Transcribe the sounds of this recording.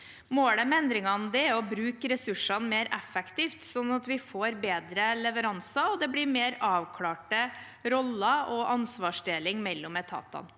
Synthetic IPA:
moːləmɛnd̪ɾɪŋɑnd̪ɛɔbɾʉːkəɾɛsʉʂɑnmeːɾʔɛfɛkt̪iːft̪sɔnːɑt̪ʋɪfoːɾbeːd̪ɾəlɛʋəɾɑnsɑɔd̪ɛblɪɾmeːɾɑːʋkʰlɑːʈə | ɾɔlːɑʔɔʔɑnsʋɑːʂd̪eːlɪŋmɛlːɔmɛt̪ʰɑ̰ːt̪ɑ̰n

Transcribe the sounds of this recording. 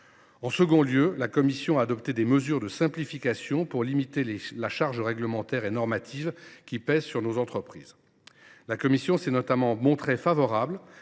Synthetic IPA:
ɑ̃səɡɔ̃ljølakɔmisjɔ̃aːd̪ɔpt̪ed̪eməzyʁd̪əsɛ̃plifikʲasjɔ̃puʁlimit̪elaʃaʁʒəʁɛɡləmɑ̃t̪ɛʁenɔʁmat̪ʰivkʲipɛzsyʁnozɑ̃t̪χəpχḭːz | lakɔmisjɔ̃sɛnɔt̪amɑ̃mɔ̃t̪χefavɔʁabl

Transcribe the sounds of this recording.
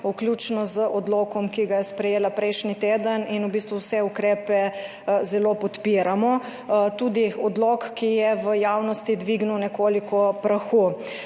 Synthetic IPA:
ukljut͡ʃnɔzəʔɔd̪loːkɔmkiɡajɛspɾɛjeːlapɾɛjʃnit̪eːd̪əninubiːst̪ʋuwsɛukɾeːpɛ | zɛlopɔt̪piɾamɔ | t̪uːd̪iɔd̪lokkːijɛʋəjaːwnɔst̪id̪ʋiɡnuwnɛkoːlikɔpɾaxu

